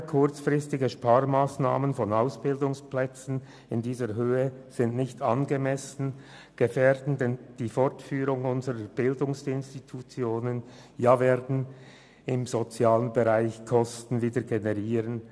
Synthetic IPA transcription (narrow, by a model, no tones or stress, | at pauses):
kʰʊt͡sfʁɪstɪɡəʃpaːʁmaːsnaːmənfɔnaʊsb̥ɪldʊŋsplɛt͡sn̩ | ɪndiːzəɾɦøːəz̥ɪntnɪçtʰanɡemɛsn̩ | ɡ̥efɛːɾdn̩dɛnd̥iːfɔʁtfyːɾʊŋʊnzəɾəb̥ɪldʊŋsɪnstitʰut͡sjoːnən | jaːveːdn̩ | ɪmzot͡sjaːlənbeʁaɪçkʰɔstn̩viːdəɡenɛʁiːʁən